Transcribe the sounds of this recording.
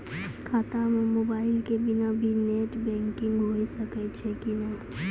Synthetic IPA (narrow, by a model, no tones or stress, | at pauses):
kʰaːt̪amẽmoːbaːɪlkebɪnabʱineːʈbɛ̃ːŋkɪ̃ŋɡɦoːisəket͡ʃʰekinɛĩ